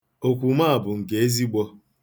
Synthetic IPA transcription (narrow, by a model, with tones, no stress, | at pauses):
o˨kʷu˨ma˦a˨bʊ˨ŋ̩˨ke˨˦e˦zi˦ɡ͡bɔ˦